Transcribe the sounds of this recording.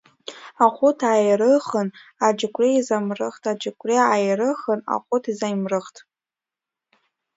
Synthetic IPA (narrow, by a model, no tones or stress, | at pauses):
aχʷʊtʰajɾɨχənad͡ʒɪkʷʰʼrejzamrɨχtʰʼad͡ʒɪkʷʰʼreajrɨχəna̰χʷʊtʰizajmrɨχtʰʼ